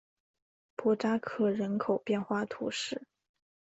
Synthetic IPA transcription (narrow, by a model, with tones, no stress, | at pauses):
pʰwɔ˥ʈ͡ʂa˥kʰɤ˥˩ɻə˧˥nkʰo˨˩ʊpjɛ˥˧nxwa˥˩t̪ʰṵ˧˥ʂɻ̩˥˩